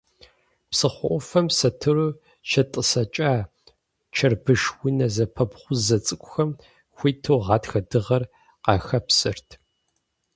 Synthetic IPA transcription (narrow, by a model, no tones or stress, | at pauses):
psɨχʷɔʔʷɔfɐmsɐtʰɨruː | ʃɐtʼəsɐt͡ʃʼaː | t͡ʃʰɐrbɨʂwʊnɐzɐpʰɐbχʷʊzɐt͡sʼɨkʷʼʊxɐm | xʷiːtʰoːʁɑːtxɐdɨʁɐr | qɑxɐpsɨrtʰ